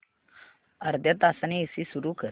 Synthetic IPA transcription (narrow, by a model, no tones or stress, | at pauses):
əɾd̪ʱjət̪asaniːsisuɾuːkə